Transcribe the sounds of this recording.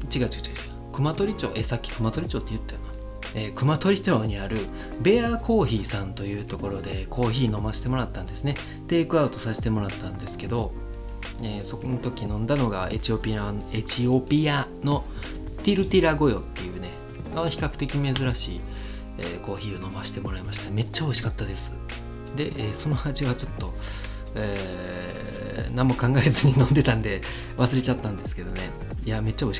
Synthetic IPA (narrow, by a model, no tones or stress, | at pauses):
t͡ɕiɡat͡ɕi̥ɡḁt͡ɕi̥ɡa | kɯ̟mat̪o̞ɾʲit͡ɕo̞̰ːʔe̞sakʲːi̥kɯ̟mat̪o̞ɾʲit͡ɕo̞ːt̪ːeɯ̟t̪ːea | ekɯ̟mat̪o̞ɾʲit͡ɕo̞ːɲ̟iaɾɯ̟ | be̞ako̞ːçiːsãnt̪o̞jɯ̟ːt̪o̞ko̞ɾo̞d̪e̞kʰo̞ːçiːno̞maɕi̥t̪e̞mo̞ɾat̪ːãnd̪e̞sɨne̞ | t̪e̞ːkɯ̟aɯt̪o̞saɕi̥t̪e̞mo̞ɾat̪ːãnd̪e̞sɨ̥ke̞d̪o̞ | eːso̞konot̪o̞kʲinõ̞nd̪ano̞ɡae̞̰t͡ɕio̞pʲiane̞t͡ɕio̞pʲijano̞ | t̪iɾɯ̟t̪iɾaɡo̞jo̞̰t̪ːe̞jɯ̟ːne̞ | maçi̥kakɯ̟̥t̪e̞kʲime̞zɨɾaɕḭː | ḛko̞ːçiːono̞maɕi̥t̪e̞mo̞ɾaemaɕi̥t̪ame̞t͡ɕːao̞iɕi̥kat̪ːad̪e̞sɨ̥ | d̪e̞ʔeːso̞no̞ad͡ʑiβat͡ɕo̞t̪ːo̞ | eː | namokãŋɡaezɨɲ̟inõ̞nd̪e̞t̪ãnd̪e̞ | βasɨɾe̞t͡ɕat̪ːãnd̪e̞sɨ̥ke̞d̪o̞ne̞ | ijame̞t͡ɕːao̞iɕi̥